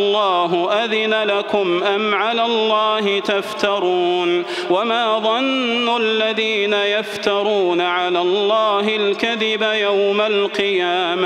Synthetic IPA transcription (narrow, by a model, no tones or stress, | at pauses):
lˤːɑːɦʊʔaðɪnalakʊmʔamʕalaːlˤːɑːɦɪt̪aft̪ɑɾˤuːn | wamaːðˤɑnːʊlːaðiːnajaft̪ɑɾˤuːnaʕalaːlˤːɑːɦɪlkaðɪbajawmalqɨjaːma